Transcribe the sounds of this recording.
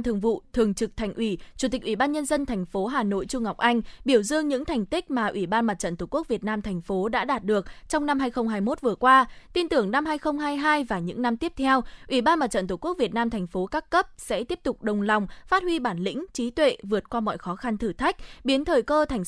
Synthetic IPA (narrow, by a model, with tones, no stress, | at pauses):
t̪ʰɨ˨˩əŋvṵ˧˨t̪ʰɨ˨˩əŋt͡ɕɨ˨˩k̚t̪ʰɛ˨˩jŋ̟ʔi˧˩t͡ɕu˧˩t̪i˨˩k̟ʔwi˧˩ɓaː˧nɲə˧nzə˧nt̪ʰɛ˨˩jŋ̟fo˨˦ɦaː˨˩no̰˧˨jt͡ɕʊ˧ŋ͡mŋa˨˩wk͡p̚ʔa˧jŋ̟ɓi˧˩əwzɨ˧əŋɲɨ̰˧˥ŋt̪ʰɛ˨˩jŋ̟t̪ï˦˥k̟̚maː˨˩ʔwi˧˩ɓaː˧nma˨˩t̚t͡ɕə̰˧˨nt̪ʰu˧˩ku˦˥ək̚vi˨˩ət̚naː˧mt̪ʰɛ˨˩jŋ̟fo˨˦ɗa̰ː˧˥ɗaː˨˩t̚ɗɨ˨˩ək̚t͡ɕɔ˧wŋ͡mna˧mhɦaː˧jxə˧wŋ͡mɦaː˧jmo˦˥t̚vɨ˨˩əkwaː˧t̪i˧nt̪ɨ˧˩əŋna˧mɦaː˧jxə˧wŋ͡mɦaː˧jɦaː˧jvaː˨˩ɲɨ̰˧˥ŋna˧mt̪i˦˥əp̚t̪ʰɛ˧wʔwi˧˩ɓaː˧nma˨˩t͡ɕə̰˧˨nt̪ʰu˧˩ku˦˥ək̚vi˨˩ət̚naː˧mt̪ʰɛ˨˩jŋ̟fo˨˦kaː˦˥kːə˦˥p̚sɛ̰˧˥t̪i˦˥əp̚t̪ʊ˨˩k͡p̚ɗə˨˩wŋ͡mla˨˩wŋ͡mfaː˦˥t̚hwi˧ɓaː˧˩nlḭ̈˧˥ŋ̟t͡ɕi˨˦t̪wḛ˧˨vɨ˨˩ət̚kwaː˧mɔ̰˧˨jxɔ˨˦xa˧nt̪ʰɨ˧˩t̪ʰa˦˥jk̟̚ɓi˨˦ənt̪ʰəː˨˩jkəː˧t̪ʰa˨˩jŋ̟